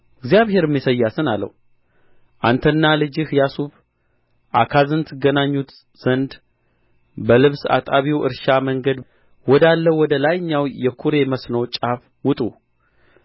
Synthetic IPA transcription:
ɪɡzjaβhe̞ɾɨmːjisəjːasɨnalːə̰h | ʔant̪ʰənːalɨd͡ʒɨhjasuβ | ʔakʰazɨnt̪ʰːɨɡənaɲːut̪ | z̥ənd̪ | bəlɨβsa̰t̪ʼaβiwɨ̰ɾʃaməŋɡəd̪ | wɔd̪alːəwɔd̪əlajɲːawjɛkʰuɾe̞məsnəwt͡ʃʼaf | wʊt̪ʼu

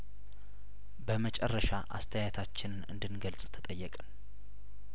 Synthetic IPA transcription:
bəmət͡ʃʼɛrːəʃaʔa̰st̪ʰəjat̪ʰat͡ʃːɪnɨnɨ̰nd̪ɨnɡəlsʼt̪ʰət̪ʼəjːəkʼən

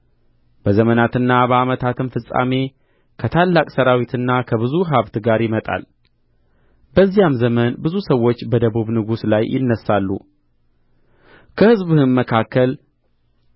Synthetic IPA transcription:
b̥əzəmənat̪ɨnːabəamət̪ʰat̪ʰɨmfɨsʼa̰me̞ | kʰət̪ʰalːakʼsəɾawit̪ʰɨnːakʰəβɨzuɦaβt̪ɡaɾjɪmət̪ʼa̰l | bəzːijamzəmənbɨzusəwːo̞t͡ʃːbəd̪əβuβnɨɡuslajʔɪ̰nːəsalːṵ | kʰəhɨzβuhɨnməkʰakːəl

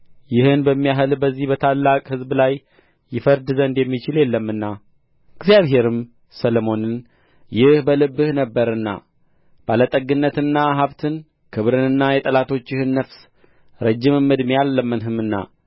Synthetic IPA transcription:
jɪhɨnbəmːijaɦɨlbəzːihbət̪ʰalːakʼhɨzblajː | ɪfəɾd̪ɨzənd̪jɛmːit͡ʃɪljɛlːəmːɨnːa | ɡzjaβɦe̞ɾɨm | səlomo̞nɨn | jɪhbəlɨbːɨhnəbːəɾɨnːa̰ | b̥alət̪ʼəɡɨnːət̪ɨnːaɦaβt̪ʰɨn | kʰɨβɾɨnɨnːajɛt̪ʼəlat̪ʰo̞t͡ʃːjɪhɨnːəfs | ɾəd͡ʒːɪmɨmːɨd̪mejalːəmːɨnɦɨmɨnːa̰

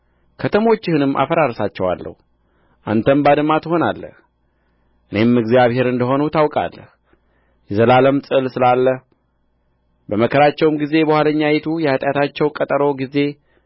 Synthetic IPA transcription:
kʰət̪ʰəmo̞t͡ʃːɪhɨnɨmːʔa̰fəɾaɾsat͡ʃːɛwa̰lːə̰hu | ʔa̰nt̪ʰəmbad̪ɨmat̪ɨɦo̞na̰lːə̰h | ʔɨne̞mɨɡzjaβhe̞ɾɨnd̪əɦo̞nut̪ʰawkʼa̰lːəh | jɛzəlaləmsʼɨlsɨlalːəh | bəməkʰəɾat͡ʃːɛwmɡize̞bəhaləɲːajɛt̪ʰujɛhat̪ʼjat̪ʰat͡ʃːɛwkʼət̪ʼəɾo̞ɡize̞

